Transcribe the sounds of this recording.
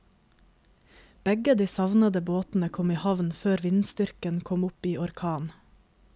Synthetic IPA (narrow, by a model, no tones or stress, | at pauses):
b̥ɛɡəd̪iːsɑʋnəd̪əboːt̪n̩əkʰɔmiːhɑʋnføːɾʋɪnst̪ʏɾkənkʰɔmʊpiːʔɔɾkʰɑːn